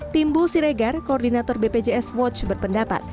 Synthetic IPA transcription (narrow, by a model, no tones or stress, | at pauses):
t̪imbusiɾeɡarkoɔrdinat̪ɔrbeped͡ʒeɛswɔt͡ʃbərpəndapa̰t̪̚